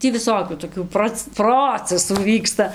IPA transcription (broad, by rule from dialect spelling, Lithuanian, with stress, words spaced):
ˈtʲiː ʋʲɪˈsoːkʲuː toːˈkʲuː ˈproːt͡s ˈproːt͡sʲɛsuː ˈʋʲiːkstɐ